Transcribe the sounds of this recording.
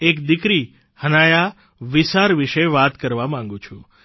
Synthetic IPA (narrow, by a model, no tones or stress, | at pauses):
ekd̪ɪkɾi | hənaja | ʋisaɾʋɪʃeʋat̪kəɾʋamãŋ̆ɡũt͡ʃʰũ